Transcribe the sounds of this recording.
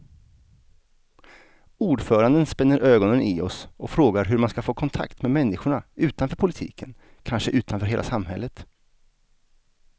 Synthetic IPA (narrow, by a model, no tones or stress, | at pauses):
uːɖfœːɾand̪ənspɛnːəɾʔøːɡɔnənʔɪɔsɔfɾoːɡaɾɦɵɾmanskafoːkʰɔnt̪ʰa̰kt̪mɛmɛnːɪɧʊɳaʉ̟ːt̪anfœːɾpʰʊlɪt̪ʰḭːkʰən | kʰanʂəʔʉ̟ːt̪ʰanfœːɾɦeːla̰samɦɛ̰lːət̪